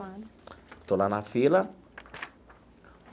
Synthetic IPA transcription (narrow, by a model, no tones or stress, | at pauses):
t̪olanafilə